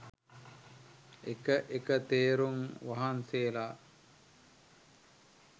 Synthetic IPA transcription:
ekəʔekət̪eːɾuŋʋaɦanseːla

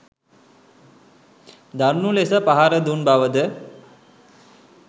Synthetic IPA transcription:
d̪aɾnulesəpaɦaɾəd̪unbaʋəd̪ə

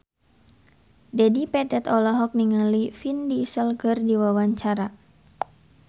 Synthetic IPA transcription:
d͡ʒadipɛdɛt̪ɔlɔɦɔk̚niŋalifindisəlkərdiwawaɲt͡ʃaɾa

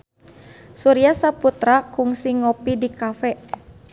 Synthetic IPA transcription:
suɾiasaput̪ɾakuŋsiŋɔpidikafɛ

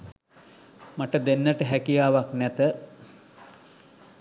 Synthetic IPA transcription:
maʈəd̪enːəʈəɦækijaːʋaknæt̪ə

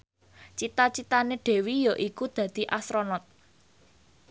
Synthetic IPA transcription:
t͡ʃit̪at͡ʃit̪aneɖ̥e̤wijɔʔikud̪̥ä̤d̪̥i̤ʔasɾonɔt̪̚

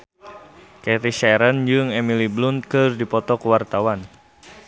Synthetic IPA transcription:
kɛɾiʃaɾənd͡ʒɨŋɛmiliblunkɨrdipɔt̪ɔkəwart̪awan

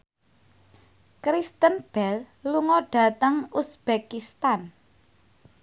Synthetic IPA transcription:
kɾist̪ənb̥ɛl | luŋɔɖ̥a̤t̪əŋusb̥ekist̪an

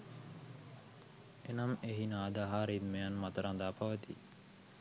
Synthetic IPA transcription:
enɐmeɦinaːd̪aɦaːɾid̪meɐnmɐt̪ɐɾãːnd̪aːpɐʋɐt̪ḭː

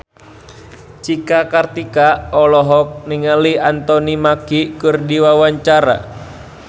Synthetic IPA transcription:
t͡ʃikakart̪ikaɔlɔɦɔk̚niŋaliant̪ɔnimakikɨrdiwawaɲt͡ʃaɾa̰

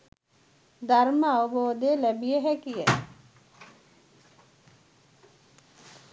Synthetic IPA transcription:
d̪arməaʋəboːd̪eːlæbijəɦɛkijə

